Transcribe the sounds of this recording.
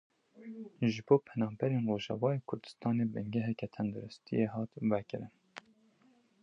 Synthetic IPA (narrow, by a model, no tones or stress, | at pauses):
ʒɨboːpʰɛnɑːmbɛɾeːnroːʒɑ̰vɑːjeːkʰʊɾd̪ɨ̥st̪ɑːneːbɨŋɡɛɦɛkɛt̪ʰɛnd̪uɾʊst̪ʰḭjeɦɑːt̪vɛkɨɾɨn